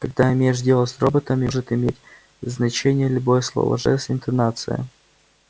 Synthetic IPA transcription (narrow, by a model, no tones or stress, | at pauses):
kɐɡ̚d̪aɪmʲejɪʂdʲelˠətʲsro̞bət̪əmʲɪʐɨt̪ɪmʲetʲ | znɐt͡ɕenʲɪjəlʲʊbojəslˠo̰vɐ̰ʐɛ̰sʲɪnt̪ɐnat̪sɨjə̰